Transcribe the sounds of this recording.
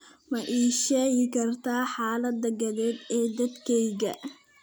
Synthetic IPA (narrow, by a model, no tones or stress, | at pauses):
mɐʔiːʃɛːɣɪkʰɐrt̪ʰaːħaːlɐd̪ːɐɡɐðɛːd̪ɛːd̪ɐd̪kʰɛjɣɐ̰